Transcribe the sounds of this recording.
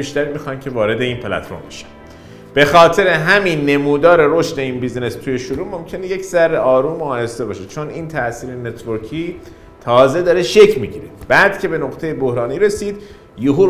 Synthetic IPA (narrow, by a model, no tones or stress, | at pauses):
iːʃt̪æɾimixɑːjmcʲʰe̞vɒːɾe̞d̪e̞iːnpʰelæ̰t̪fo̰ɾmbeʃæ̥m | b̥e̞xɒːt̪ʰe̞ɾeɦæminːe̞muːd̪ɒːɾe̞ɾo̞ʃt̪e̞iːnbiːzne̞st̪ʰuːje̞ʃoɾuːmo̞mcʰe̞neje̞cʰzæɾːeɒːɾuːmoɒːjest̪e̞bɒːʃe̞t͡ʃʰoniːnt̪ʰæʔsiːɾenet̪ʰvoɾkʰiː | t̪ʰɒːze̞d̪ɒːɾe̞ʃe̞cʰmiɟiɾe̞b̥æːd̪cʰe̞be̞noqt̪ʰe̞jebohɾɒːniːɾe̞siːd̪ | juɦuː